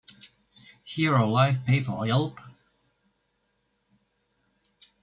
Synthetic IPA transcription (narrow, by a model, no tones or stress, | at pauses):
hiɹəlaɪvpʰeɪpə̰˞ɛlˠp